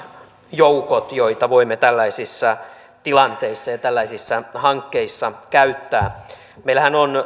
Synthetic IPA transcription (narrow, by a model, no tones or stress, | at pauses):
joukot̪joit̪ɑʋoimːet̪ælːæisisːɑ | t̪ilɑnt̪eisːɑjɑt̪ælːæisisːɑhɑŋkːeisːɑkæyt̪ːæː | meilæhænon